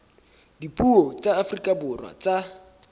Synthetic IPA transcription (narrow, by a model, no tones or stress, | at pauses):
dipʼuɔt͡sʼaːfrikʼabʊrwa̰t͡sʼa